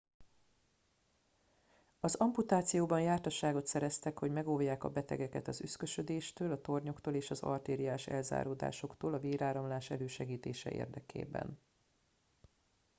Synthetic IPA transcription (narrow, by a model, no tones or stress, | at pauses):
ɒzɒmput̪aːt̪sijoːbɒnjaːrt̪ɒʃaːɡo̞t̪sɛɾɛst̪ɛkho̞ɟmɛɡovjaːkɒ̰bɛt̪ɛ̰ɡɛkɛt̪ɒzyskøʃø̞d̪eːʃt̪øːlɒt̪o̞rɲo̞kt̪oːleːʃɒzɒ̰lt̪eːɾijaːʃɛ̰lza̰ːɾoːd̪a̰ːʃo̞kt̪oːlɒveːɾaːɾɒmlaːʃɛløːʃɛɡiːt̪eːʃɛ̰ʔḛːrd̪ɛkʰḛːbɛ̰n